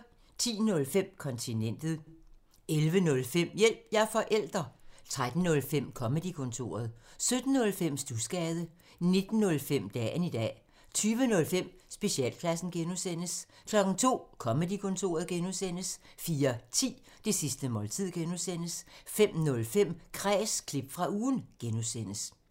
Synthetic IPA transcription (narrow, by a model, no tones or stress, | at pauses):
t͡sʰḭːnɔ̽lfem̰kʰɒ̽nt͡sʰinen̰d̥ð̩ˠ | elʋənɔ̽lfem̰jel̰b̥jɑɐfɒ̽ʔel̰d̥ʁɐt͡sʰʁad̥n̩ːɔ̽lfem̰kʰɒ̽med̥ikʰɔ̽nt͡sʰo̝̰ːɐð̞ˠsød̥n̩ːɔ̽lfem̰sd̥usɡ̥ɛːð̞ˠə | ne̝d̥n̩ːɔ̽lfem̰d̥ɛ̰ːnid̥ɛ̰ː | t͡sʰyːʋənɔ̽lfem̰sb̥e̝ɕiɛ̰ːlkʰlæsn̩ɡ̥enusen̰əs | kʰlɒ̽ɡ̥n̩t͡sʰo̝̰ːkʰɒ̽med̥ikʰɔ̽nt͡sʰo̝̰ːɐðˠɡ̥enusen̰əsfiːɐt͡sʰḭː | d̥e̝sisd̥əmɒ̽ːlt͡sʰið̰ˠɡ̥enusen̰əsfem̰nɔ̽lfem̰kʰʁɛ̰ːskʰleb̥fʁɑ̈uːnɡ̥enusenəs